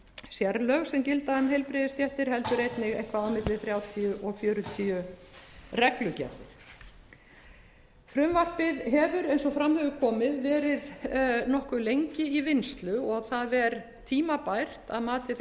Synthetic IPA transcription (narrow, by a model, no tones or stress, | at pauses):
sjɛɾlœɣsɛmcɪlt̪aðʏmhejlpɾɪðɪst̪jɛht̪ɪɾ̥hɛlt̪ʏɾejt̪nɪɣejhkvaðawmɪt̪lɪθɾjawt̪ʰiʏʔɔfjœːɾʏt̪ʰiʏ | rɛklʏcɛ̰ht̪ɪɾ̥ | fɾʏmvar̥pɪðɦɛvʏɾejnsɔfɾamhœɣʏkʰɔːmɪðvɛːɾɪðnɔhkʏlejɲcɪivɪnst̪lʏɔɣθaðvɛɾ | t̪ʰiːmapajr̥t̪a̰ðmaːt̪ɪ